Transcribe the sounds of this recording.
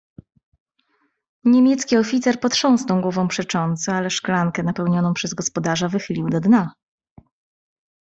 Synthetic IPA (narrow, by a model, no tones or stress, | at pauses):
ɲemʲjɛt̪skʲiɔfʲit̪sɛɾpɔt̪ʂɔ̃w̃snɔw̃ɡwɔvɔ̃w̃pʂɛt͡ʂɔnt̪sɛalɛʂklaŋkɛnapɛwɲɔnɔ̃w̃pʂɛzɡɔspɔd̪aʐavɘxɘlʲiwd̪ɔd̪na